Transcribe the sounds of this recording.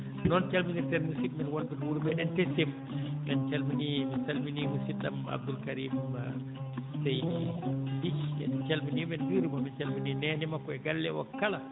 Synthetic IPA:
nɔnt͡ʃalminitɛnmusik̚mɛnwanbinwuɾumɛɗɛntɛsem | mɛnt͡ʃalminimɛsalminimusit̚ɗa̰ma̰b̚d̪ulkaɾiːma̰ | sej | dit͡ʃɛ̰nt͡ʃalminimɛnbiɾimamɛnt͡ʃalmininɛnɛmakɔɛɡalːɛwa̰kːala

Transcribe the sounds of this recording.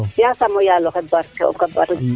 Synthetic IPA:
jasamɔjalɔχɛbaɾkɛɔ̰kabaɾ

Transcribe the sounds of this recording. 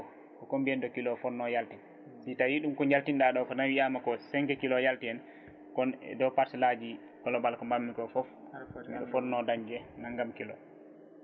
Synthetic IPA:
kɔkombiɛndɔkilɔfɔɾnɔjaltɛ | sitajiɗumkɔɲd͡ʒaltinɗaɗɔkɔnawiamakɔsɛŋkɛkilɔjaltiɛn | kɔnɛ̰dɔpaɾsɛlad͡ʒi | kɔlɔbalkɔmbamːikɔfɔf | ɗɔ̰fɔɾnɔdaɲd͡ʒɛnaŋɡamkilɔ̰

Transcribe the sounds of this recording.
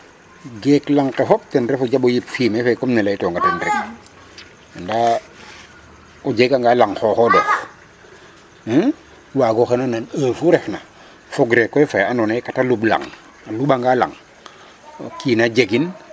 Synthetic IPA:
ɡeklaŋkefɔp̚tenɾefod͡ʒaɓojipfiːmefajkɔmnɛlajtɔŋɡatendɾɛk | anda | od͡ʒeɡaŋɡalaŋxoxodɛf | waɡoxenananəːfuɾɛfna | foɡɾekːɔjfajanɔnekatalubla̰ŋ | aluɓaŋɡala̰ŋ | kiːnad͡ʒeɡin

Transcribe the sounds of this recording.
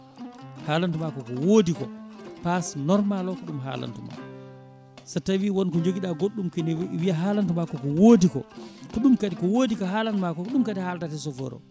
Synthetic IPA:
haːlantumakɔkɔwoːdikɔpasnɔɾmalɔkɔɗumɦa̰ːla̰ntuma̰ | satawiwɔnkɔɲd͡ʒoɡiɗaɡoɗːumkɛnwiʔaɦaːlantumakɔkɔwoːdikɔ̰kɔɗumkaɗikɔwoːdikɔɦaːlanumakɔɗumkadihaltatɛsɔfɔ̰ɾɔ̰

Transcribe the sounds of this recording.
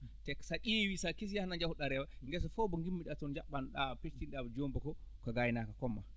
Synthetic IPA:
tɛksaɗiwisakis̬jahanaɲd͡ʒahuɗaɾɛwaŋɡɛs̬ɔfɔbɔŋɡimːiɗatɔnd͡ʒaɓːanɗapet͡ʃtinɗabd͡ʒombakɔkɔɡajinakakɔmːa̰

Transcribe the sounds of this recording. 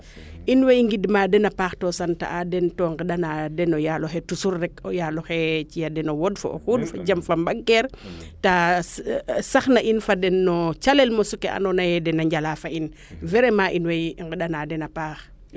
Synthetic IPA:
ʔinwejŋɡidmadɛnapaːxtosanta̰ʔadɛntoŋɡəɗanadɛnɔjaloxetusuɾːɛkojaloxet͡ʃijadɛnowodfo̰o̰xudfad͡ʒamfambaɡkeɾ | ta | saxnaʔinfadɛnːɔt͡ʃalelmosukeʔa̰nonajɛdɛnaɲɟalafain | vɛɾemaʔinwejŋɡəɗanadɛnapaːx

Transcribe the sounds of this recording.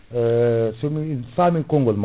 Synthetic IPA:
seminsamĩkoŋɡolm

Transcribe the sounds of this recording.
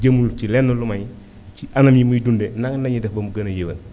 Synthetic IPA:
ɟəmːulcilɛnːəlumɐɲ | ciʔɐnɐmjimujdundɛnɐŋnɐɲidɛfbɐmuɡɐnɐjewɐ̰l

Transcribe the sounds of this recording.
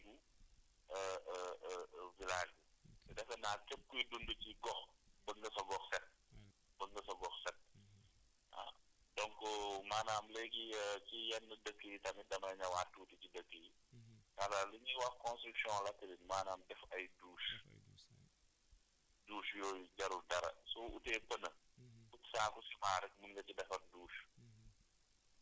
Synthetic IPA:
bu | əə | vilaːʃɡutɛdɐkɐnaːkɛp̚kujdunduciɡɔxbəŋɡɐsɐɡɔxsɛt̚ | b̥əŋɡəsɐɡɔxsɛt̚ | ɐ̰dɔŋkɔmaːnaːmlɛkiəkijɐnːədəkːəjitɐmidɐmɐɲɐwaːtːuːticidəkːəji | kalaːluɲiwɐxkɔ̃nstɾyksjɔ̃ːlɐtɛlinmaːnaːmdɛfɐjduːʃ | duːʃjɔːjɟɐɾudɐɾɐ̰suʔutɛːpənəfutsaːkusi̥paːɾɛkmuŋɡɐcidɛfɐrduːʃ

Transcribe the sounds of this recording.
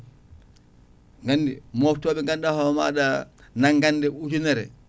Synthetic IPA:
ŋɡandimoftoːbɛŋɡandahoma̰ːdanaŋɡandeut͡ʃuneɾɛ̰

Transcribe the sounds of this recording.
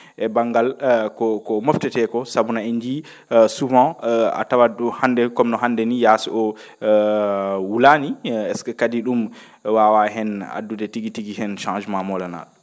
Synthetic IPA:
ʔɛbaŋɡalkɔkɔmɔftɛtɛkɔsabunaiɲd͡ʒi | suvãa̰tawaduhandɛkɔmnɔɦandɛnijasɛʔɔ | wulaniɛskɛkadiɗum | wawaɦɛna̰dːudɛtiɡitiɡihɛnʃãd͡ʒmamɔlana̰ɗɔ

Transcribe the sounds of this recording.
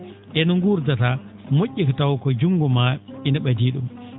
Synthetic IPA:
ʔɛnuŋɡuɾdatamoʔʲːikɔtawkɔd͡ʒuŋɡɔmainaɓadiːɗṵm

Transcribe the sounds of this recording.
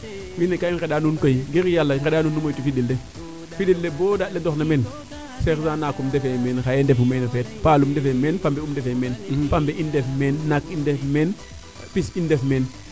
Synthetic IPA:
winekaiŋxedaːnunkojɡiɾjalːaŋxedaːnuːnːumojtufidilde | fidildeboːdatledɔxnɐmɛn | sexsaːnakumdefemenxaendefumenofeːt̚paːlumdefemenfambeumdefemeːnfambeindefmeːnːakindefmeːn | pisindefmeːn

